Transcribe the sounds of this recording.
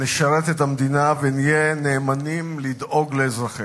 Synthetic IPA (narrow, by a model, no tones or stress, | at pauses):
neʃaɾet̪et̪amd̪inavenijeneːmanimlid̪ʔo̞ɡleːzʁaχi